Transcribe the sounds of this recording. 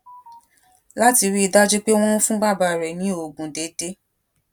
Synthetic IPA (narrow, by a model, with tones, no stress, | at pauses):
la˦ti˧ɾi˦i˧da˦d͡ʒu˦k͡pe˦w̃ɔ̃˦n̩˦fũ˦ɡ͡ba˦˨ba˧˨ɾɛ˨nĩ˨˦o˨ɡũ˨de˨˦de˦